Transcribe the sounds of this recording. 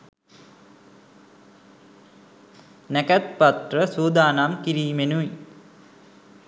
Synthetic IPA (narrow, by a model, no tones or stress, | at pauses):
nækæt̪̚pat̪rəsuːd̪aːnamkiɾiːmenui